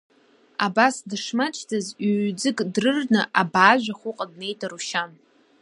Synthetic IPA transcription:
abasdɨʂmat͡ʃʰtʰazɥd͡zɨkʼdrɨrnɨʔabaːʒᶣʷaχʷʊqʼadne̞jtʼaɾuʃan

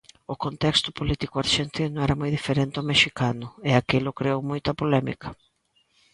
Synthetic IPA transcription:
ʊkont̪ɛkst̪ʊpolit̪ikʊaɾʃent̪inʊɛɾɐmojðifeɾent̪ɪomeʃikanʊɪakelʊkɾeowmojt̪ɐpolɛmḭkʰɐ̥

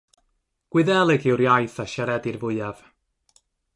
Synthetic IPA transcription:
ɡ̥wɪðɛlˠɪɡɪwɾjajθaʃaɾɛdɪrvʊɨjav̥

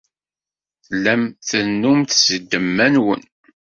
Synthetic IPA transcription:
θlːæmθənːumθzəd̪ːəmːænwə̰n

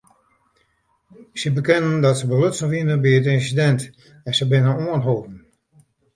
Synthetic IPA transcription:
səbəkɪnəndɔtsəbəløtsənʋinəbiət̬ɪnsidɛnt | ɛsəbɪnənuənɦoːpn̩

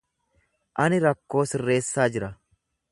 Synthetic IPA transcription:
ʔɐnɪɾɐkːo̞ːsɪrːe̞ːsːaːd͡ʒɪɾɐ

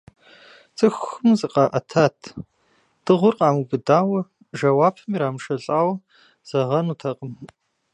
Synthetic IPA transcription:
t͡sʼɨxɨmzɨqɑʔɐtʰaːtʰ | d̥ɨʁʷʊrqʼɑːmubɨdaːwɐ | ʒɐwaːpʰɨmiɾaːmʂɐɬʼaːwɐ | z̥ɐʁɐnuːtʰɐqʼəm

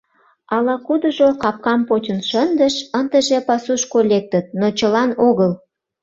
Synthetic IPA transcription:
ɑlɑkud̪əʒokɑp̚kɑmpot͡ɕənʃənd̪əʃənt̪əʒepɑsuʃkolek̚t̪ət̪̚not͡ɕəlɑnoɣəl

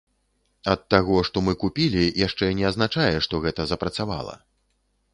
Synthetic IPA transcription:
ɐt̪ːaɣɔʂt̪ɔmɨkupʲilʲijaʂt͡ʂɛnʲɛɐznat͡ʂajɛʂt̪ɔɣɛt̪ɐzɐpɾɐt̪sava̰lˠɐ̰

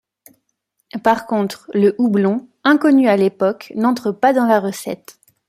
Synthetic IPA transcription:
paʁkɔ̃t̪χləʔublɔ̃ | ɛ̃kɔnyalepɔknɑ̃t̪χəpad̪ɑ̃laʁəsɛ̰t̪

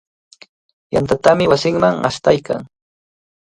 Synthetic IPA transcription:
jant̪at̪amɪwasɪŋmaŋa̰st̪ajka̰ŋ

